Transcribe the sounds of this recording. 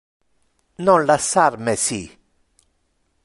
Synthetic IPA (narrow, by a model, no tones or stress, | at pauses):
nɔ̃lasaɾmɛsi